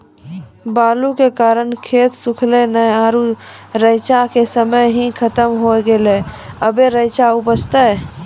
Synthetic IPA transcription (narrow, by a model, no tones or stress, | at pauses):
baːlukekaːɾənkʰeːt̪sʊkʰlenəjaːɾuɾəɪt͡ʃakesəməjɦĩkʰət̪əmɦoɡeleəbeɾəɪt͡ʃaʊpəst̪ə